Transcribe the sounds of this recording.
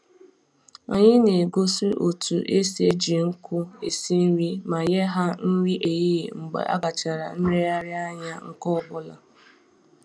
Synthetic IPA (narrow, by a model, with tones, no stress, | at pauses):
a̰˨ɲɪ˦ne˨ɡo˦si˦ʔo˨tu˨ʔe˦se˨˦d͡ʒi˨ŋ̩˦kʊ˦e˨si˦n̩˦ɾi˦ma˨ɲe˦ɦa˦n̩˦wi˦ʔe˨ji˦˨ŋ͡m̩˨ɡ͡ba̰˨ʔa̰˦ɡa˨t͡ʃa˨ɾa̰˨n̩˦ɾe˦a˦ɾɪ˦a˦ɲa˦ŋ̩˦˨kɔ˦˨bʊ˦la̰˨